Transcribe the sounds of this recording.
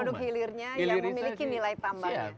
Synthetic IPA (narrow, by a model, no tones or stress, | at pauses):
dʊk̚ɦilɪrɲajaəmilikinilait̪ambaɲa